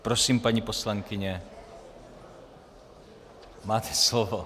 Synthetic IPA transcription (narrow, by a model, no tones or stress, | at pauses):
pɾosiːmpaɲiposlaŋkɪɲɛ | maːt̪ʰɛslovo